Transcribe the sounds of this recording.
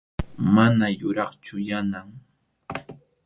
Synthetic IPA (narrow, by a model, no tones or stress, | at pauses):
manajʊɾɑχt͡ʃʊjanaŋ